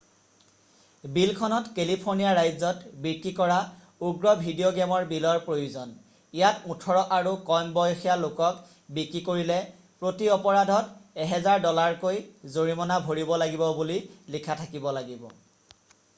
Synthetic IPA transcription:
bilkʰɔnɔtkelipʰoɹnijaɹajzɔtbiɹkɹikɔɹa | uɡɹɔbʱidijoɡɛmɔɹbilɔɹpɹojuzɔn | ijatutʰɔɹɔʔaɹukɔjmbɔjxijalokɔk | bikɹikoɹilɛ | pɹotiɔpɔɹadʱɔtɛɦɛzaɹdɔlaɹkojzoɹimɔnabʱoɹibɔlaɡibɔbulilikʰatʰakibɔlaɡibɔ̰

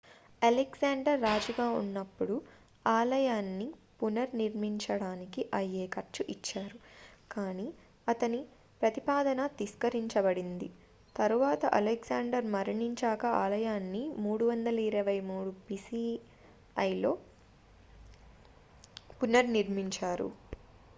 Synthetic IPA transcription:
ɐleɡsaːɳɖɐɾːaːd͡ʒuɡaːṵnːɐpːuɽu | aːlɐjaːnːipunɐɾniɾmiɲt͡ʃɐɽaːnikiʔɐjːeːkɐɾt͡ʃuʔit͡ʃːaːɾukaːniː | ɐt̪ɐni | pɾɐt̪ipaːd̪ɐnɐt̪iskɐɾiɲt͡ʃɐbɐɽind̪ḭ | t̪ɐɾuʋaːt̪ɐʔɐleɡsaːɳɖɐɾmɐɾɐɳiɲt͡ʃaːkɐaːlɐjaːnːimuːɽuʋɐnd̪ɐlɐiɾɐʋɐjmuːɽupisi | ɐjlo̞ː | punɐɾniɾmiɲt͡ʃaːɾṵ

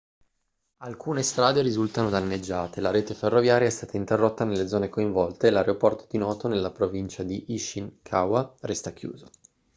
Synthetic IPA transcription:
alkʰuːnest̪ɾaːd̪eɾizult̪anod̪anːed͡ʒːaːt̪ʰelaɾeːt̪eferːovjaːɾjaɛst̪aːt̪aint̪erːot̪ːanelːed̪zɔːnekoiɱvɔlt̪eːlaɾeopɔrt̪o̥d̪inɔːt̪onelːapɾovint͡ʃad̪iʔiʃiŋkʰawarɛst̪akjṵːzo

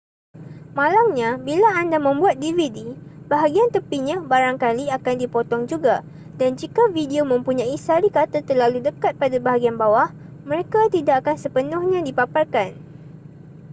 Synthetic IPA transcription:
mãlamɲãbilaːndamə̃mbuat̪̚dividi | baɦaɡiant̪əpiɲãbaɾaŋkaliakandipɔt̪ɔŋd͡ʒuɡa | dand͡ʒikavidiomə̃mpuɲãisaɾikat̪ət̪ərlaludəkat̪̚padabaɦaɡianbawah | mə̃ɾekat̪idakːakansəpənʊ̃hɲãdipaparkan

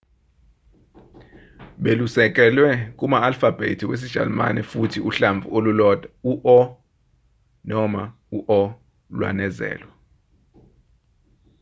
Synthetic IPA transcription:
ɓelusɛk̬ʼɛlwɛkʼumaːlfab̥ʱḛtʰiwes̬i̥ʒ̥a̰lma̰nɛ̰futʰiuɬaɱb̪vʱuolulɔːd̥ʱauʔɔ | nɔma | uʔɔ | lwa̰nɛzɛ̰ːlwa

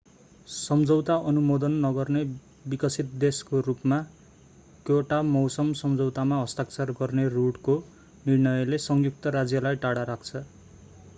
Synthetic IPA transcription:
sʌmd͡zʌwt̪aʌnumod̪ʌnːʌɡʌrne | bikʌsit̪̚d̪eskoɾupma | kjoʈamʌwsʌmsʌmd͡zʌwt̪amaɦʌst̪ak̚t͡sarɡʌrneruɽko | nirnʌjʌlesʌŋjuk̚t̪ʌɾad͡zjʌlajʈaɽaɾakʰt͡sʰʌ

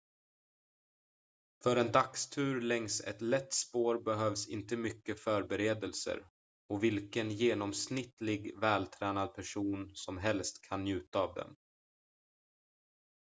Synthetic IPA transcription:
fœɾɛnd̪akst̪ʰʉ̟ːɾlɛŋsɛ̰t̪lɛt̪ːspoːɾbɛɦœːvsɪ̰nt̪əmʏkːəfœɾbɛɾeːd̪əlsə̰ɾ | ɔvɪlkənjeːnɔmsnɪt̪lɪɡvɛːlt̪ʰɾɛːnad̪̚pʰæʂuːnsɔmɦɛlst̪kʰanːjʉ̟ːt̪aːvd̪ɛ̰m

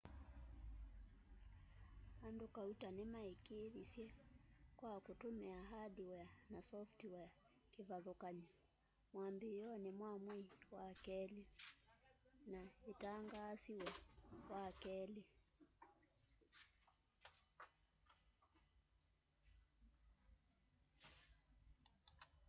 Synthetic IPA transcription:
andokautanɛmaikeðisjɛkwakutomɛaɦaɗiwɛanasɔftiwɛa | kivaðɔkaɲi | mwambijɔnɛmwamwiwakɛli | naitaŋɡaːsiwɛwakɛli

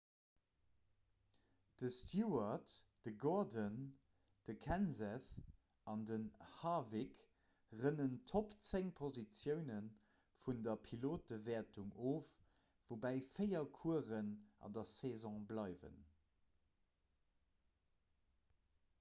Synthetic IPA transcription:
d̥əstʰjuɐtd̥əɡɔɐdən | d̥əkʰænzɛθ | ɑndənhɑːvik | ʁənəntʰopt͡seŋpʰozit͡sjəʊnən | fundɐpʰiloːt̚dəvɛːɐtuŋʔoːf | v̥obæːɪfəɪɐkʰuəʁənɑ̰ndɐsezɔ̃ːblɑɪvə̰n

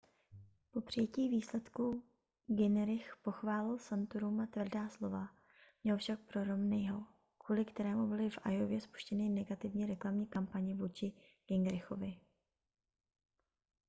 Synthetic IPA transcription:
po̞pr̝̥ɪjɛciːviːslɛt̪ku | ɡɪnɾɪxpo̞xvaːlɪlsant̪uɾumat̪vr̩daːslo̞va | mɲɛlfʃak̚pɾo̞ɾo̞mnɛjɦo | kvuːlɪkt̪ɛɾɛːmubɪlɪfʔa̰jo̞vjɛspu̥ʃcɛnɪnɛɡat̪ɪvɲɛɾɛklamɲiːkampaɲɪvuːt͡ʃɪ | ɡ̥ɛŋɡɾɪxo̞vɪ

